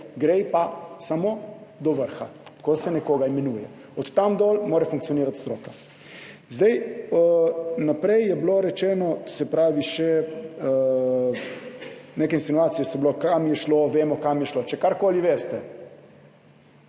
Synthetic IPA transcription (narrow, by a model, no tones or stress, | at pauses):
ɡɾɛjpasamod̪ɔʋəɾxakosɛnɛkoːɡaimɛnuːjɛ̰ | ɔt̪t̪ːamd̪ɔlmoːɾɛfuŋk̚t̪sioniːɾat̪st̪ɾoːka | zd̪ɛj | napɾɛjjɛbloɾɛt͡ʃɛːnɔsɛpɾaːʋiʃɛ | nekɛinsinuaːt̪sijɛsɛblokamjɛʃloʋeːmɔkamjɛʃlot͡ʃɛkaɾkoːliʋeɾst̪ɛ